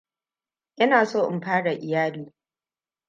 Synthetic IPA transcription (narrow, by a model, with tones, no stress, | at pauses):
ʔɪ˦naː˨soː˦ʔɪ˨mɸaː˦ɽa˨ʔɪ˨jaː˦luː˦